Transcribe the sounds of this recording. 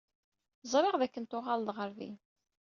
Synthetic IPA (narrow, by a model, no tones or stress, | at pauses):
zˤɾˤeʁðækːənt̪ʊʁald̪ˤʁəɾvḭ